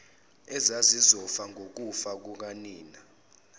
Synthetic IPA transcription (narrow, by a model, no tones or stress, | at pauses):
ɛzazizɔfaŋʱok̬ufak̬uk̬aniːna